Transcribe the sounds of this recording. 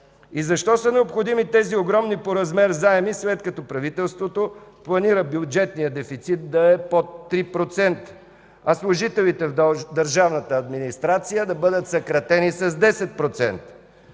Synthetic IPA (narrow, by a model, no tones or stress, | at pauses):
izɐʃt̪ɔsənɛopxod̪imit̪ɛzioɡɾɔmnipoɾɐzmɛɾzaɛmisvɛt̪kɐt̪ɔpɾɐvit̪ɛlˠst̪vot̪oplˠɐniɾəbjʊd͡ʒɛt̪nijəd̪ɛfit̪sit̪̚d̪ɐɛpot̪ːɾipɾot̪sɛnt̪ə̥ | ɐslˠʊʒit̪ɛlit̪ɛvd̪əɾʒavnət̪əːd̪minist̪ɾat̪sijəd̪ɐbɤd̪ət̪sɐkɾɐt̪ɛnisɐzd̪ɛsɛt̪̚pɾot̪sɛ̰nt̪ə